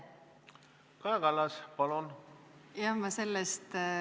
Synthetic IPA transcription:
kɑeɡɑlːɑspɑlon | eɑmmɑse̞lːest̪

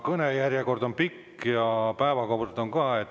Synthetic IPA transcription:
kɤnejærjeko̞rd̪o̞npikː | jɑpæevɑkobut̪et̪o̞ŋkɑːet̪ː

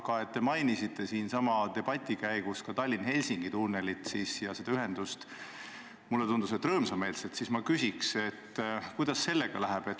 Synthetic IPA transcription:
kɑe̞t̪ːe̞mɑjnisit̪ːˑe̞siːnsɑmɑt̪e̞b̥ɑt̪ʲːˑikæjɡ̥uskɑt̪ɑlʲːinhe̞lʲsiŋɡ̥it̪uːne̞lit̪siːsjɑsed̪ɑyɦe̞nd̪ust̪ | mulːet̪und̪̥uset̪ːˑrɤːmsɑme̞ːlset̪siːsmɑkysʲikse̞t̪ːkujd̪̥ɑsːe̞lːeɡ̥ɑlæɦæb̥e̞t̪ː

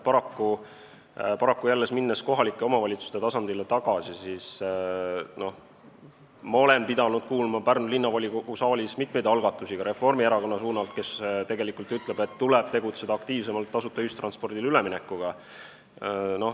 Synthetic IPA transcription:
pɑɾɑkːu | pɑɾɑkːujælːe̞sminːesko̞ɦɑlikːˑe̞o̞mɑvɑlʲit̪su̥st̪e̞t̪ɑsɑnd̪ilet̪ɑɡ̥ɑsisis | no̞ | mɑo̞le̞npid̪ɑnud̪̥̚kuːlmɑpærnulinːɑvɑlʲikukusɑːlʲismit̪me̞jd̥̪ɑlɡ̥ɑt̪ːˑusiɡ̥ɑɾe̞fo̞rmieɾɑko̞nːɑsuːnɑlt̪̚ke̞st̪e̞ɡe̞likːˑult̪yt̪le̞b̥e̞t̪ːulɛb̥t̪e̞ɡut̪se̞d̪ɑk̚t̪iːvs̬e̞mɑlt̪ːɑsut̪ːˑɑyst̪rɑnspo̞rd̪̥ilyleminɛkːˑuɡ̥ɑ | no̞

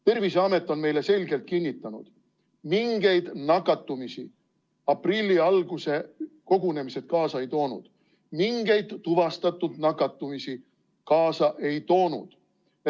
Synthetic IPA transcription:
t̪e̞rviseɑme̞t̪ːˑo̞nme̞jle̞se̞lʲɡ̥e̞lt̪̚kinʲːit̪ːˑɑnṵd̪̥ | miŋɡ̥e̞jd̪̥nɑkːɑt̪ːˑumisi | ɑprilʲːiɑlɡ̥use̞ko̞ɡ̥une̞mise̞t̪̚kɑːsɑe̞jt̪o̞ːnṵd̪̥ | miŋɡ̥e̞jd̪ːuvɑst̪ɑt̪ːˑud̪̥nɑkːɑt̪ːˑumisi | kɑːsɑʔe̞jt̪o̞ːnṵd̪̥

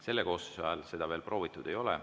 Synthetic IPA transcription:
se̞lːeko̞ːst̪u̥sɑ̰ɑlse̞d̪̥ɑve̞ːlpro̞ːvit̪ˑːud̪̥e̞jo̞lɛ̰

